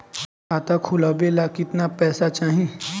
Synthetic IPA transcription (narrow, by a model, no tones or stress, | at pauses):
kaːt̪akʰʊlabeːlakɪt̪napɛːsat͡ʃaːɦĩ